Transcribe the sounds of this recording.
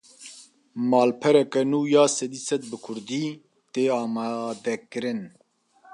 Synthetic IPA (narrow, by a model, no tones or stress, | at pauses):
mɑːlpʰɛɾɛkɛnuːjaːsɛd̪isɛt̪̚bɨkʰʊɾd̪iː | t̪eːɑːmɑːd̪ɛkɨɾɨn